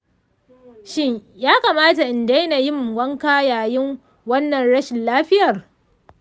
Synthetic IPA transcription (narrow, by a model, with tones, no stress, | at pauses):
ʃɪ˦ɲjaː˦kaː˨maː˦ta˨ʔɪ˨nda˦jna˨jɪ˦˨m˨ɡʷɐ˦ŋkaː˦jaː˨jɪ˦ŋ | wɐ˦nːɐ˨nɽɐ˦ʃɪ˨nlaː˦ɸɪ˦jɐ˨r